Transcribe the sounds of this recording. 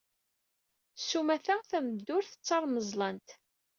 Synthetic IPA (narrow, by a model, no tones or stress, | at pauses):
sumæθæθæmd̪ːʊɾθə̥t͡sːɑɾˤməzˤlɑnt̪